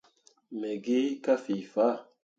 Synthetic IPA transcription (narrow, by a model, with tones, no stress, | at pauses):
mɛ˨ɡe˦ka˦fi˨fa˦˨